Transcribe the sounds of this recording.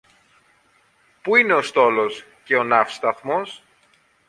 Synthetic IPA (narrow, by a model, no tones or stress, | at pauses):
puine̞o̞st̪o̞lo̞s | ce̞o̞nɐfst̪ɐθmo̞s